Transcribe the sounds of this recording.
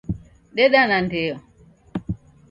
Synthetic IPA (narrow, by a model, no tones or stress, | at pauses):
ɗɛɗanantɛjɔ